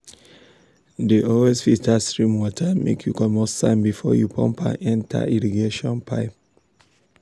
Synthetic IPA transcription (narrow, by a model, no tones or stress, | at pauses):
deʔɔlwesfitʰastɹĩmwɔtʰamʔḛkʰjukɔmɔssã̰ɪ̃nbifɔ̰jupʰɔ̰̃mpʰã̰ɛ̃ntʰa̰iɹiɡeʃɔ̃npʰa̰ɪp̚